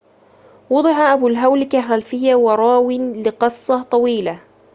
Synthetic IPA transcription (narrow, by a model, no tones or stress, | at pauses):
wɑd̪ˤɨʕaʔæbulɦawlɪkaxælfɪjːawɑɾˤɑːwɪnlɪqɨsˤːɑt̪ˤɑwiːla